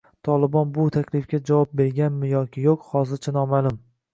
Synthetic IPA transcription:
t̪ʰɒlˠɪbɒnbʊt̪ʰakʲlɪfkʲad͡ʒavɒp̚be̞ɾɡʲanmɪjɒkʲʰɪjoqhɒzɪɾt͡ʃʰanɒmalˠʊm

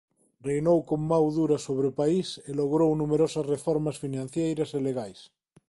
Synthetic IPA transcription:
rejnowkommawðuɾasoβɾepaiseloɣɾownumeɾosasrefoɾmasfinãn̟θjejɾaseleɣajs

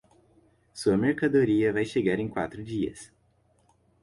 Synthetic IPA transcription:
suɐmeɾkad̪oɾiɐvajʃeɡaɾẽj̃kwa̰t̪ɾʊd͡ʒiɐ̰s

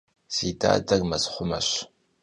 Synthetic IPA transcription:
z̥iːda̰ːdɐrmɐsχʷʊmɐɕ

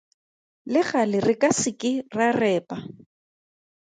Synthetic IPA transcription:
lɪχalɪrɪkʼasɪkʼɪrarɛːpʼa

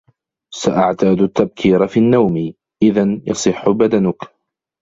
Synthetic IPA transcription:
saʔaʕt̪aːd̪ʊt̪ːab̚kʰiːɾfiːnːawmɪ | ʔɪðanjɑ̰sˤɨħːʊbad̪anʊk

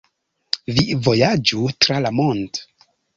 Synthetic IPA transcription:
vivo̞jad͡ʒutɾalamond

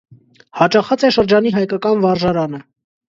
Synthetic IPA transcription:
hɑt͡ʃɑχɑt͡sɛʃəɾd͡ʒɑniɦɑjkɑkɑnvɑɾʒɑɾɑnə

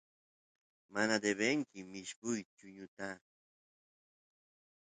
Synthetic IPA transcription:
manad̪eβeŋkɪmɪʃkʊjt͡ʃʊɲʊt̪a

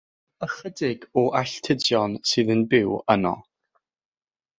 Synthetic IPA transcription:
əχədɪɡ̥ɔʔaɬtʰɪdjɔnsɨːðənbɪwənɔ̰

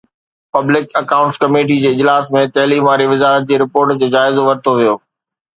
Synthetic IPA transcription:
pɐblɪkɐkaːʊ̃ɳʈskɐmeːʈ̬id͡ʑeːɪd͡ʑlaːsmẽt̪ɐɦliːmʋaːɾiʋɪzaːɾət̪̚d͡ʑeːɾɪpoːɾʈd͡ʑoːd͡ʑaːɪzoʋɐɾt̪ʰoʋijoː

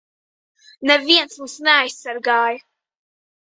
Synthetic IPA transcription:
nɛviɛnsmusnɛajsʲaɾɡaːj

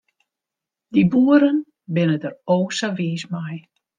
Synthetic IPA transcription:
dibuəɾən | bɪnədəroːsaʋiːsmaj

